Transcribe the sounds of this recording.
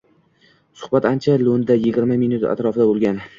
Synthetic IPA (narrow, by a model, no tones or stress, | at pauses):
sʊ̥hbat̪ant͡ʃʰalond̪ajɪɡʲɪɾmaminut̪a̰t̪ɾɒfɪd̪abolˠɡʲan